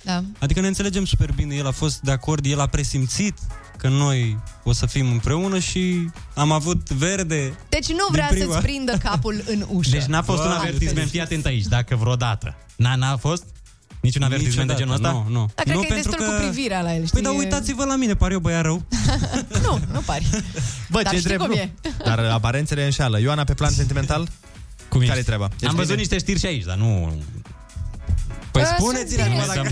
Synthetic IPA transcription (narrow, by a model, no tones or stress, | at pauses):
d̪aad̪ikəneɨnt̪seled͡ʒe̞msupe̞rbine̞je̞lafo̞st̪̚d̪eako̞rd̪je̞lapɾe̞simt̪sit̪ | kəno̞jo̞səfimɨmpɾe̞unəʃiamavut̪ve̞rd̪e̞d̪̥et͡ʃnuvɾeaapɾivapɾind̪əkapulɨnuʃd̪et͡ʃnafo̞st̪unavert̪isment̪fijat̪e̞nt̪ait͡ʃʲd̪akəvɾod̪at̪ə̰ | nanafo̞st̪ | nit͡ʃunaveɾt̪ismẽed͡ʒenasnaonoanɾupẽnt̪ɾuəpɾiviɾealaelʃpojd̪auj̪at̪sivəlaminepaɾjobəjaɾəw | nunupaɾbət͡ʃed̪ɾeb̪ed̪aɾapaɾent̪seleɨnʃaləjanapeplansent̪iment̪al | kumikaɾet̪ɾabaamvəzut̪niʃt̪eʃt̪iɾʃiait͡ʃd̪a̰nu | pojspunet̪sileua